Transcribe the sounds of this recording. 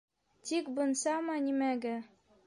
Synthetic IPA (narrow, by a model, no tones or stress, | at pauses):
t̪ikbɤ̆nsɑmɑnʲimæɡæ